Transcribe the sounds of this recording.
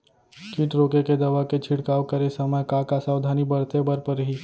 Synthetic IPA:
kiʈɾoːkeked̪ɐʋaket͡ʃʰɪɽkaːokəɾesɐməjkakasaːwd̪ʱaːnibɐɽt̪ebəɾpəɾɦiː

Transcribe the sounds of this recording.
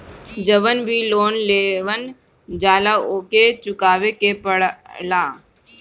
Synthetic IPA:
d͡ʒəʋənbʱiloːnleːʋən | d͡ʒaːlaoːket͡ʃʊkaːʋekepəɽlaː

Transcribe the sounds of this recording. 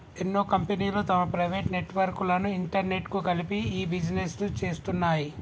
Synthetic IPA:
enːoːkɐmpeniːloːt̪ɐmɐpɾɐjʋeːʈne̞ʈʋɐɾkulɐnuiɳʈɐɾne̞ʈkukɐlipiiːbid͡ʒneslut͡ʃe̞ːst̪unːaːji

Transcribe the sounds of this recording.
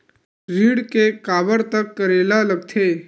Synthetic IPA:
ɾiːɽkekaːbəɾt̪ɐkːəɾeːlalɐɡt̪ʰeː

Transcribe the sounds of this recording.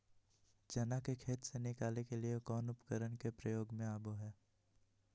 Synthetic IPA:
d͡ʒɐnakekʰeːt̪senɪkaːlekeliekɔːnʊpkəɾənkepɾəjoːɡmẽaːboɦɛː

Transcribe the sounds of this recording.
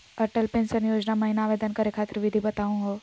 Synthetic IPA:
ɐɾʈəlpensənjoːd͡ʒnamɐɦinaːʋed̪ənkəɾekʰaːt̪ɾəʋɪd̪ʱibət̪aũɦo

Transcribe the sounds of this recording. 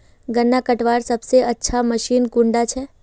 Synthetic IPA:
ɡənːakəʈʋaɾsəbseʔətːʃʰaməʃinkũɳɖat͡ʃʰe

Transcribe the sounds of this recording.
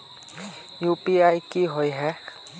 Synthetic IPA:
juːpiaːikiɦoiɦɛ

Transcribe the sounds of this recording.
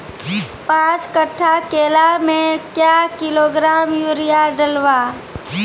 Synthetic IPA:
pãːt͡ʃkəʈʰːakeːlamẽkjaːkɪloːɡɾaːmjuɾɪjaɖəlʋaː

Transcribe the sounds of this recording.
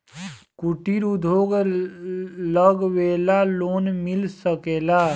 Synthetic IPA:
kuʈiɾud̪ʱoːɡ | ləɡweːlaloːnmɪlsəkeːla

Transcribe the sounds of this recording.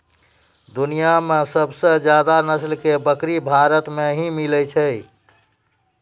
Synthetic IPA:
d̪unijamesəbsə̃d͡ʒjad̪anəslkebəkɾibʱaɾət̪meɦĩmilɛt͡ʃʰəj

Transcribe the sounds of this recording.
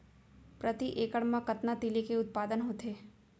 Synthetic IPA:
pɾət̪iʔeːkəɽmãkɐt̪nat̪ilikeʊt̪̚paːd̪ənɦot̪ʰeː

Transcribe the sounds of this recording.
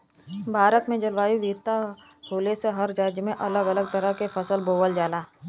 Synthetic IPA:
bʱaːɾət̪mẽd͡ʒɐlʋaːiʋiːɾt̪ahoːleseɦɐɾd͡ʒaːd͡ʒmẽʔɐləɡələɡ̚t̪əɾəɦkefɐsəlboːʋəld͡ʒaːlaː

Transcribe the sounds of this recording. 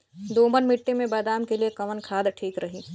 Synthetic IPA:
d̪oːmənmɪʈːemẽbɐːd̪aːmkeliekɐʋənkʰaːd̪ʈʰiːkɾɐɦiː

